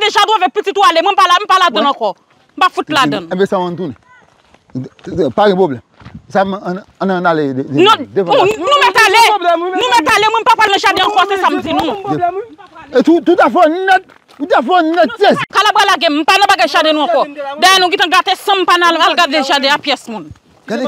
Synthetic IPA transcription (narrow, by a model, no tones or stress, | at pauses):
deʒadw̃ãvɛk̚pititualemw̃ɛ̃m̩palam̩paladɐ̃nãkɔ | m̩pafutladɐ̃ñbesãmãn̩t̪̬unɛ̃ | paɡɛ̃poblɛm | sam̃ːnãnalenũdeṽnũmɛ̃talenũmɛtalemw̃ɛ̃m̩papalnɐ̃ʃadẽɐ̃kɔsesam̩d͡zinũ | etut̪utafɔnnɛ̃t̚ | tutafɔn̩nɛ̃teskalabalaɡɛ̃m̩panɐ̃paɡɛ̃ʒadenũãkɔdajɛnũɡĩtãɡatesɐ̃m̩pañlalɡadeʒadeapjɛsmũn